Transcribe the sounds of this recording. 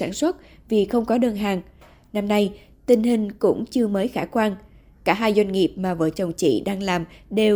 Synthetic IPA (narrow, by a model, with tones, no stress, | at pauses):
aː˧˩nswə˦˥t̚ | vi˨˩xə˧wŋ͡mkɔ˨˦ɗəː˧nɦaː˨˩ŋ | na˧mna˧j | t̪ï˧˩ŋ̟ɦï˨˩ŋ̟kʊ̰˧˥ŋ͡mt͡ɕɨ˧əməː˨˦jxaː˧˩kwaː˧n | kaː˧˩ɦaː˧jzwa˧jŋ̟ŋi˨˩əp̚maː˨˩vəː˨˦jt͡ɕə˨˩wŋ͡mt͡ɕḭ˧˨ɗaː˧ŋlaː˨˩mɗe˨˩w